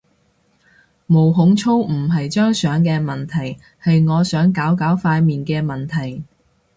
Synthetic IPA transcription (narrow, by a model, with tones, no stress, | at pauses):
mo˨˩wɦʊ˨˥ŋt͡sʰo˥wm̩˨˩ɦɐ˨jt͡ʃœː˥ŋsœː˨˥ŋkɛː˧mɐ˨˩nt̪ʰɐ˨˩j | hɐ˨jŋɔː˨˧sœː˨˥ŋkaː˨˥wkaː˨˥wfaː˧jmiː˨nkɛː˧mɐ˨˩nt̪ʰɐ˨˩j